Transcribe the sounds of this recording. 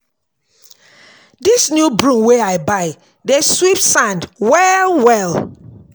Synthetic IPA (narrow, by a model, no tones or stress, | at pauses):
disnjubɹũmweaɪbaɪ | deswip̚tsãndwɛwɛl